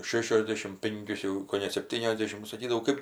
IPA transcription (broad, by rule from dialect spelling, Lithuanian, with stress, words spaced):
ˈʃʲæːʃʲoːzʲˌdʲeːʃʲɪm ˈpʲɪŋʲkʲʊs jɛʊ koːˈnʲɛ sʲɛpʲˈtʲiːnʲoːzʲˌdʲeːʃʲɪm nʊ sɐˈkʲiːdɐʋɐʊ ˈkɜp